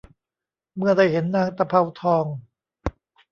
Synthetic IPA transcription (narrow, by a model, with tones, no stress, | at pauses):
mɯ˧˩ɐda˧˩jhe˨˦nːaː˧˩ŋt̪a˧pʰa˧wt̪ʰɔː˧ŋ